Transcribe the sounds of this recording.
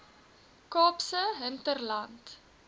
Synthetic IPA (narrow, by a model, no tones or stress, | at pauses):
kɑːpsəɦəntərlɐnt